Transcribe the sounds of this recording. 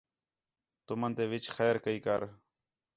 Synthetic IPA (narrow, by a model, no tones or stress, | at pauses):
t̪ʊmənt̪eːʋɪt͡ʃxɛːɾkəiːkəɾ